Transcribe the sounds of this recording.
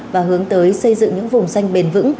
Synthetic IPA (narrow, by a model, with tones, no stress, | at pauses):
vaː˨˩ɦɨ˨˦əŋt̪əː˨˦jsə˧jzɨ̰˧˨ŋɲɨ̰˧˥ŋvʊ˨˩ŋ͡msa˧jŋ̟ɓe˨˩nvɨ̰˧˥ŋ